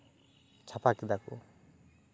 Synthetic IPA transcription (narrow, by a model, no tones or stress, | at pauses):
t͡ʃʰapakid̪akṵ